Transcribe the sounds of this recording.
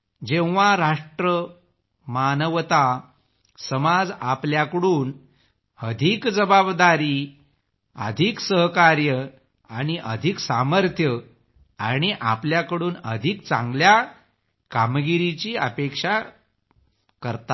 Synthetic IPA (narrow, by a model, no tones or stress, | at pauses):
d͡ʑẽʋʋaɾaʂʈɾə | manəʋt̪a | səmad͡zapljakəɽuːn | əd̪ʱikd͡zəbabd̪aɾiː | ə̰d̪ʱiksəɦkaɾjə | aɽ̃iʔəd̪ʱiksaməɾt̪ʰjə | aɽ̃iʔapljakəɽuːnə̰d̪ʱik̚t͡sã̰ŋɡlja | kamɡiɾit͡ɕiːə̰pekʂa | kəɾt̪a